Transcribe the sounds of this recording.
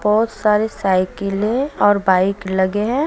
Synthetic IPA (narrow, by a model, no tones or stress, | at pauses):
bɔɦʊt̪saːɾesaːɪkelẽɔːɾbaːɪklɐɡeɦɛ̃